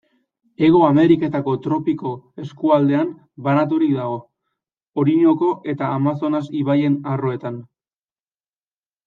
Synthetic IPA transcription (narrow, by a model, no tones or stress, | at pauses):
e̞ɣ̞o̞ame̞ɾike̞t̪ako̞t̪ɾo̞piko̞e̞skuald̪e̞am | banat̪̬uɾik̚d̪aɣo̞ː | ɾiɲo̞ko̞ʔe̞t̪aːmas̬o̞nasiβaje̞naro̞e̞t̪an